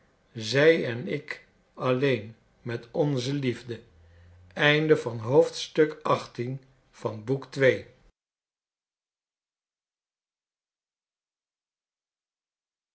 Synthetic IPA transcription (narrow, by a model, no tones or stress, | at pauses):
zɛjɛnɪk | ɑlejn | mɛtɔnzəlivdə | ɛjndəvɑnɦowftstɵkɑχtin | v̥ɑnbuktʋej